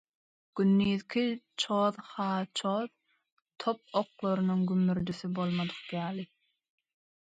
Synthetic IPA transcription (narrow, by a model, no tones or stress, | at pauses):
ɡ̥ynːiːðkʲʰit͡ʃʰoːðhɑːt͡ʃʰoːð | t̪ʰop̚oqlˠoɾɯnɯŋɡymːyɾd̪yθybo̞lˠmɑd̪ɯqjɑːlˠi